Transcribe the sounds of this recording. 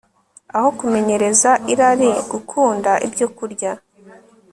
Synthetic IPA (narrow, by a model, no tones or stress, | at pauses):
aho̞kume̞ɲe̞ɾe̞zaʔiɾaɾiɡukʰuːndaʔibɟo̞kuɾɟa